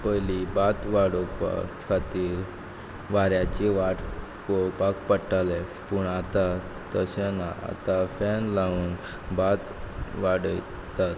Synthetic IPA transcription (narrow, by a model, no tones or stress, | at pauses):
pəjlibat̪ʋaɽopkʰat̪iːɾ | ʋaɾjat͡ɕeʋaʈ | kopakpəʈale | puɳat̪a | t̪əɕanaa̰t̪afɛnlauːn | bat̪ʋaɽəj | t̪at̪